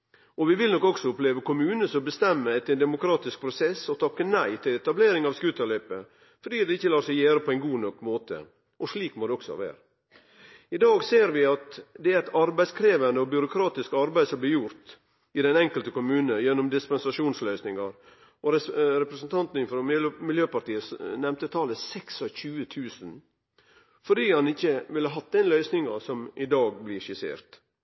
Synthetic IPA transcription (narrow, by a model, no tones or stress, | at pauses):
ɔʋɪʋɪlnɔkːɔksɔʊpleːʋəkʊmʉːnəsɔmbəst̪ɛmːəɛt̪ːɛnd̪ɛmʊkʰɾɑːt̪ɪsk̚pʰɾʊsɛsːɔt̪ʰɑkːənæɪt̪ʰɪlɛt̪ɑbleːɾɪŋɑʋskʉːt̪ɑlœʏpə | fɔɖiːd̪ɛɪçːəlɑːsɛɪjæːɾəpʰɔɛɪnɡuːnɔkːmoːt̪ʰə̰ | ʔɔʂɭiːkmɔd̪ɛɔksɔ̰ʋæ̰ːɾə | ɪd̪ɑːɡseːɾʋɪɑt̪d̪ɛæɾæt̪ɑɾbæɪskʰɾeːʋɑnd̪əɔbjʏɾʊkʰɾɑːt̪ɪskɑɾbæɪsɔmblɪjʊɾt̪ | ɪd̪ɛnɛŋkəlt̪əkʊmʉːnəjɛnːɔmd̪ɪspɛnsɑʂuːnslœʏsnɪŋɑɾ | ɔɾɾɛpɾɛsnt̪ʰɑnt̪n̩ɪfɾɔmɪljøːpɑʈ̪iːəsnɛmt̪ət̪ʰɑːləsɛksɑçʉːət̪ʰʉːsən | fɔɖiːhɑnɪçːəʋɪlhəɦɑt̪̚ːd̪ɛnlœʏsnɪŋɑsɔmʔɪd̪ɑːɡblɪʂɪsḛːɾt̪